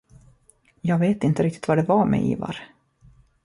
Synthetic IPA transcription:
jɑːɡveːt̪ɪnt̪əɾɪk̚t̪ɪ̥t̪vaɖɛvaɾmɛ̰ʔḭːva̰ɾ

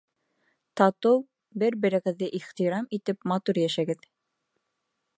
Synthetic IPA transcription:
t̪ɑt̪ow | bɘɾbɘ̆ɾɘ̆ɡɘ̆ðːɘʔiχt̪iɾɑmit̪ɘpmɑt̪uɾjæʃæɡɘð

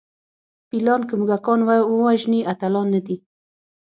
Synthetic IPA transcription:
pilɑnkəmuɡakɑnwawowaʒniʔat̪alɑnːəd̪i

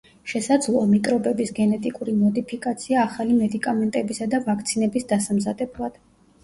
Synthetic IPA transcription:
ʃɛsad̪zlˠɔmik̪ʼɾɔbɛbisɡɛnɛt̪ʼikʼuɾinɔd̪ipʰikʼat̪sʰiaːχalimɛd̪ikʼamɛnt̪ʼɛbisad̪avakʰt̪sʰinɛbisd̪asamzad̪ɛblˠad̪̥

